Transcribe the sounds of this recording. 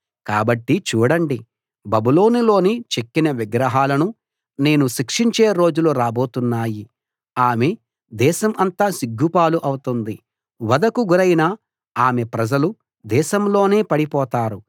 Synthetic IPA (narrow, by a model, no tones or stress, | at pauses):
kaːbɐʈːit͡ʃuːɽɐɳɖi | bɐbulo̞ːnilo̞ːnit͡ʃekːinɐʋiɡɾɐɦaːlɐnu | ne̞ːnuʃikʂiɲt͡ʃe̞ːɾo̞ːd͡ʒuluɾaːbo̞ːt̪unːaːji | aːme̞ | d̪ɛːʃɐmʔɐnt̪aːsiɡːupaːluʔɐwut̪und̪i | ʋɐd̪ɐkuɡuɾɐjinaː | aːme̞pɾɐd͡ʒɐlu | d̪ɛːʃɐmlo̞ːne̞ːpɐɽipɔːt̪aːɾu